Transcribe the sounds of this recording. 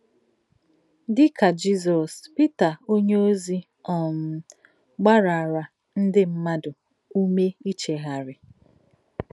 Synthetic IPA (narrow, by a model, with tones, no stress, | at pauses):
dɪ˦ka˨d͡ʒi˦zɔ˨spɪ˦ta˨o˦ɲe˦o˦zi˦ | ɔ˨m̩˦˨˦ | ɡ͡ba˦ɾa˨a˨ɾa˨ | n̩˦dɪ˦m̩˦ma˦dʊ˨ | u˦me˦i˦t͡ʃe˨ɦa˨ɾɪ˨